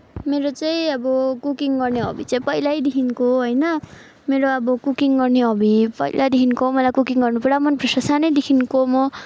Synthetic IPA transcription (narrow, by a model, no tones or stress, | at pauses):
meɾot͡saĩʌbʌkukiŋɡʌrneʌ̰bit͡saĩpʌjlajd̪ikʰinkoɦʌjnʌ | meɾoʌbʌkukiŋɡʌrneɦʌbipʌ̰jlʔad̪ikʰinkomʌlajkukiŋɡʌrnupuɾɽamʌnprʌsasanʌjd̪ikʰinkomʌ